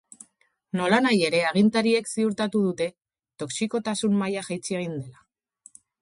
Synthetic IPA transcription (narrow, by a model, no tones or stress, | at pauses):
no̞lanaje̞ɾe̞aɣ̞int̪aɾie̞ksiuɾt̪at̪uðut̪e̞ | t̪o̞ksiko̞t̪asummajaʝajt͡sieɣ̞ind̪e̞la